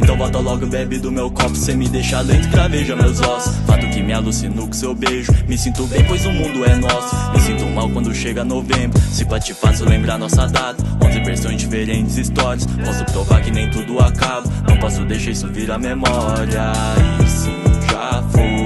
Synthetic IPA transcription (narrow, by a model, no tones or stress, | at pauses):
ẽt̪ɐ̃w̃bɔt̪alɔɡʊbebɪd̪ʊmewkɔɾpʊ̥sẽmɪd̪eʃalẽjt̪ʊpɾaveʒɐmewzɔsʊ̥sfat̪ʊkɪmɪalusinowkʊ̃sewbeʒʊmɪsĩnt̪owbẽj̃pojzʊmũd̪ʊɛnɔsʊ̥mɪsĩt̪omawkwɐ̃nd̪ʊʃeɡɐanovẽbɾʊsɪpat͡ʃɪfasiwlẽmbɾaɾnɔsɐd̪at̪ɐ̥õzẽveɾsõj̃zd͡ʒifeɾẽt͡ʃɪzist̪ɔɾiɐspɔsʊpɾovaɾkɪnẽj̃t̪ud̪ʊakabʊnɐ̃w̃pɔsʊd̪ejʃɐisʊviɾɐmemɔɾiɐ | siʒafoj